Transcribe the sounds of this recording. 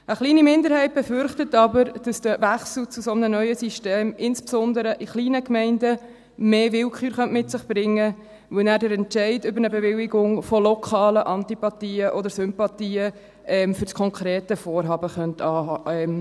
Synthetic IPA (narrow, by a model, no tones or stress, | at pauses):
əχliːnimɪndəɾɦɛɪt̚b̥efʏɾχtətɑbəɾd̥ɑsd̥əvæχsl̩t͡susɔmnənœʏəsiʃteːmɪnspsɔndəɾəʔɪχliːnəkmɛɪndə | meːʋɪlkχyːɾχœntmɪtsɪχb̥ɾɪŋːə | ʋənæːɾdəɾɛntt͡ʃɛɪdʏbəɾnəbɛvɪliɡʊŋfɔlɔkʰɑːləʔɑntipɑtiːəʔɔd̪əɾsʏmpɑtiːə | ʔɛmfʏɾskʰɔŋkʰɾeːtəfoːɾɦɑːbəχœntɑːɑɛm